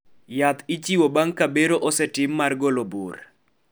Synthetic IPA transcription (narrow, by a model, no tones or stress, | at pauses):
jat̪ɪt͡ʃiwobaŋkabeɾoʔɔsɛtɪmːarɡolobṵr